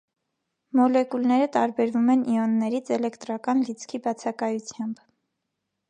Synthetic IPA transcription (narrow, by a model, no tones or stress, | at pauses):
mɔlɛkulnɛɾət̪ɑɾbɛɾvumɛnʔiɔnːɛɾit͡sʰɛlɛkt̪ɾɑkɑnlit͡sʰkʰibɑt͡sʰɑkɑjut͡sʰjɑmb